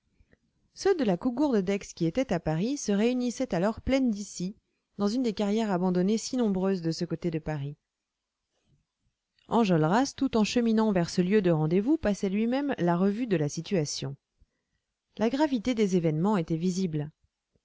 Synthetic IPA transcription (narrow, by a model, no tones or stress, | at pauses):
sød̪əlakuɡuʁd̪d̪ɛkskʲiet̪ɛt̪apaʁisəʁeynisɛt̪alɔʁplɛnd̪isi | d̪ɑ̃zynd̪ekaʁjɛʁabɑ̃d̪ɔnesinɔ̃bʁøzd̪əsəkot̪ed̪əpaʁi | ɑ̃ʒɔlʁast̪ut̪ɑ̃ʃəminɑ̃vɛʁsəljød̪əʁɑ̃d̪evupasɛlɥimɛmlaʁəvyd̪əlasit̪yasjɔ̰̃ | laɡʁavit̪ed̪ezevɛnmɑ̃et̪ɛvizibl